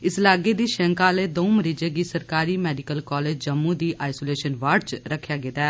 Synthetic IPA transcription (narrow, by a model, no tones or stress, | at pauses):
ɪslaːɡeːd̪iːʃɛ̃ːŋkaːleːd̪õːməɾiːd͡ʒeːɡiːsəɾkaːɾiːmɛːɖɪkəlkɔːleːd͡ʒd͡ʒəmːũːd̪iːʔaːɪsoːleːʃənʋaːɖ̚t͡ʃɾəkʰːjaːɡɪd̪ɛː